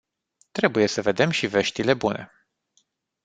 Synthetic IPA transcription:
t̪ɾe̞buje̞səve̞d̪e̞mʃive̞ʃt̪ile̞bune̞̰

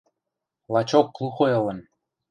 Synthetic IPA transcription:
lɑt͡ɕokːlˠuxoɤ̆lə̆n

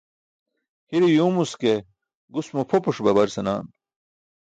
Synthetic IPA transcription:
hiɾijuːmuske | ɡusmupʰopuʂbɐbɐɾsɐnaːn

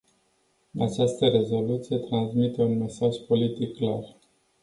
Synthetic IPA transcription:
a̰t͡ʃast̪əɾe̞zo̞lut̪sije̞t̪ɾansmit̪eunme̞saʒpo̞lit̪ikːlar

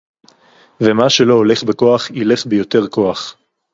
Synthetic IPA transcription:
vemaʃe̞lo̞ole̞χbeko̞aχile̞χbejo̞t̪e̞ʁko̞aχ

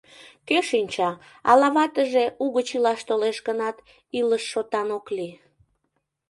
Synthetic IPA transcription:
keʃinʲt͡ɕɑ | ɑ̰lɑβɑt̪əʒeuɣət͡ɕilɑʃt̪oleʃɣənɑt̪ | iləʃːot̪ɑnokli

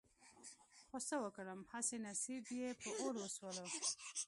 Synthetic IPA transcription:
xosawəkəɽəmhasenasibjepəʔoloswəlo

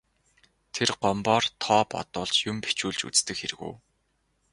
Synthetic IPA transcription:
t̪ʰerɢɔmpɔːrt̪ʰɔːpɔ̰t̪ʊːɮt͡ɕjʊmpe̥t͡ɕuːɮt͡ɕṵt͡st̪ɘ̆kxeɾɘ̆ɣṵː

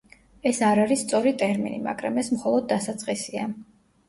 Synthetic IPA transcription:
ɛsaɾaɾist̪sʼɔɾit̪ʼɛɾmḭnḭma̰ɡɾa̰mɛsmχɔlˠɔd̪̚ːasat̪sʼqʼisia

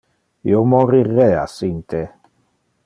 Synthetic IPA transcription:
ḭomorirːɛasint̪ʰe

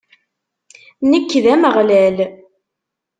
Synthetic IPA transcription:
nəkːðæməʁlæl

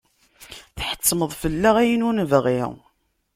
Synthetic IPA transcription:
θħə̥t͡sːməðˤfəlːaʁæjənunəvʁḭʁ

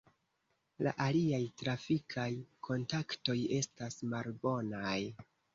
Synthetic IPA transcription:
la̰ʔaliajtɾafikʰajkʰo̞ntakto̞je̞stasmalbo̞naj

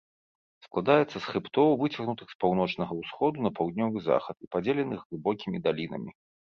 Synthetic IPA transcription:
sklˠad̪ajɛt̪sːɐsxɨpt̪ɔwvɨt͡sʲɐɣnut̪ɨxspawn̪ɔt͡ʂnɐɣɐwsxɔd̪unɐpawd̪nʲɔvɨza̰xɐt̪ipad͡zʲelʲɛnɨxlˠɨbɔkʲimʲid̪alʲinɐ̰mʲi

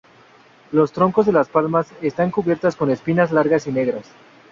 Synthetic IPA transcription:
lo̞st̪ɾo̞ŋko̞zðe̞laspalmase̞st̪aŋkuβje̞ɾt̪asko̞ne̞spinazlaɾɣasine̞ɣɾas

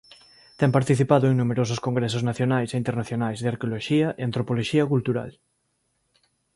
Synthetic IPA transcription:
t̪ɛŋpaɾt̪iθipaðoeŋnumeɾosʊskoŋɡɾɛsʊznaθjonajseint̪eɾnaθjonajzðeaɾkeoloʃiɐʔeant̪ɾopoloʃiɐkult̪uɾa̰l

